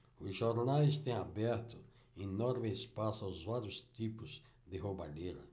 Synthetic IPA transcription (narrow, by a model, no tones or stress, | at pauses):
ʊzʒoɾnajst̪ẽj̃abɛɾt̪ʊ | inɔɾmɪspasaʊzvaɾjʊst̪ipʊz | d̪ɪɦobaʎeɾɐ̰